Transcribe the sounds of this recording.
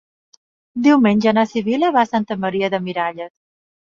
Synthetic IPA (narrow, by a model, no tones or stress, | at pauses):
d̪iwmenʲʒənasiβiləβasant̪əməɾiəðəmiɾaʎəs